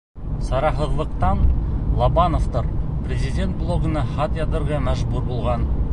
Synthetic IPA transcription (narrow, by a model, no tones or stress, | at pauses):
sɑɾɑɦə̆ðlˠəqt̪ɑnlˠɑbɑnoft̪ɤɾprʲezʲidʲe̞nt̪̚blˠo̞ɡənəχɑt̪jɑt̪əɾʁɑmæʒbuɾbolˠʁɑn